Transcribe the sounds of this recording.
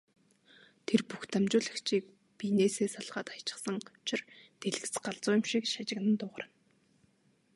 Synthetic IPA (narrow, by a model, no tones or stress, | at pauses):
t̪ʰerpuxt̪amt͡ɕʊːɮə̆kt͡ɕiːk̚ | pineːseːsaɮʁaːt̪ḁt͡ɕɪ̥̆χsə̆ŋʊt͡ɕʰɪ̆rt̪eɮɘ̆ɣt͡sɢaɮt͡sʊːjʊ̆mʃikʃat͡ɕɪ̆knə̆nt̪ʊːʁərə̆n